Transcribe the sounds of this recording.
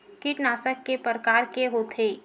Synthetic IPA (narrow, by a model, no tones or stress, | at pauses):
kiʈnaːsəkːepəɾəkaːɾkeɦot̪ʰeː